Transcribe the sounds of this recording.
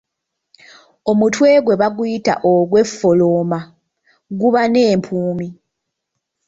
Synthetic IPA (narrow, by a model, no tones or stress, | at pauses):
o̞mutwe̞ːɡwe̞βaɡuita̰ʔoɡwe̞fːoloma | ɡuβane̞ːmpʰuːmi